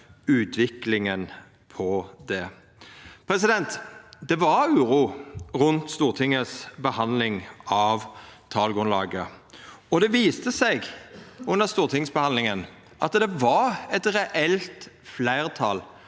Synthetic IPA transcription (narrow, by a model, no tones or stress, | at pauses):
ʉːt̪ʰʋɪklɪŋən | pʰɔd̪ɛ | pʰɾɛs̬ɪd̪ɛnt̪d̪ɛʋɑɾʉːʁuːʁʉnt̪st̪uːʁt̪ʰɪŋːəsbəhɑnd̪lɪŋɑʋt̪ʰɑːlɡʁʉnlɑ̰ːɡəɔd̪ɛʋiːst̪əsɛɪɡʉnəʁst̪uːʁt̪ʰɪŋsbəhɑnlɪŋən | ʔɑt̪d̪ɛʋɑɾɛt̪ʁɛʔɛlt̪flæɪʁt̪ʰɑːl